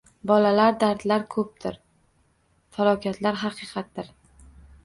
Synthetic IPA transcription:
bɒlalaɾd̪aɾd̪laɾkʰɵp̚t̪ʰɪɾ | falˠɒwkʲat̪ʰlaɾɦɑqʰɨːqʰɑt̪̚d̪ɪɾ

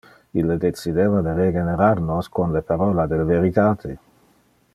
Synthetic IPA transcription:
ilːed̪et͡sid̪eːvad̪eɾeɡeneɾaɾnoskonlepaɾɔːlad̪elveɾit̪aːt̪ʰe

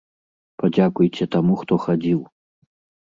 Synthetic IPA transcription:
pad͡zʲakujt͡sʲɛt̪amuxt̪ɔxad͡zʲiw

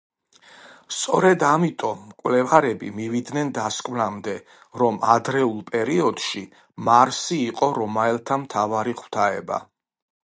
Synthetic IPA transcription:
st̪sʼɔɾɛd̪amit̪ʼɔmːkʼwlɛvaɾɛbḭmivid̪nɛnd̪askʼmnamd̪ɛ | ɾɔmad̪ɾɛulˠpʼɛɾiɔd̪̥ʃi | maɾsiːqʼɔɾɔmaɛlˠt̪ʰamt̪ʰavaɾiχʰw̥t̪ʰaɛba̰

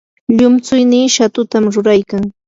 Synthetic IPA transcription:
ʎʊmt͡sʊjniːʃat̪ʊt̪amɾʊɾajkaŋ

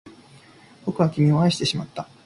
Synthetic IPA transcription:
b̥o̞kɯ̟βakʲimʲio̞aiɕi̥t̪e̞ɕimat̪ːa

